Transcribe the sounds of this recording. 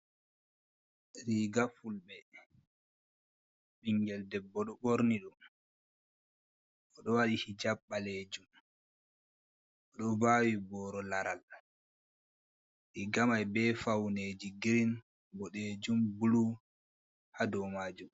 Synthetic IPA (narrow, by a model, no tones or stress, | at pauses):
ɾiːɡafulɓɛ | ɓiŋɡɛldɛbːɔɗɔɓoɾniɗum | ʔɔɗɔwaɗihid͡ʒabːaled͡ʒum | ɔɗɔbaːwibɔːɾɔlaɾal | ɾiɡamajbɛfawned͡ʒiɡiɾin | bɔɗed͡ʒumbulu | hadɔmaːd͡ʒum